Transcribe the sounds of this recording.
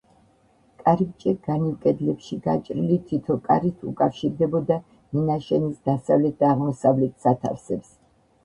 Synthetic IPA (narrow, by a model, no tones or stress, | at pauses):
kʼaɾip̚t͡ʃʼɛɡ̥animkʼɛd̪lɛpʃiɡat͡ʃʼɾilit̪ʰit̪ʰɔkʼa̰ɾit̪ʰṵkʼafʃiɾd̪ɛbɔd̪a | ninaʃɛnisd̪asavlɛt̪̚d̪aːʁmɔsavlɛt̪ʰsat̪ʰa̰fsɛps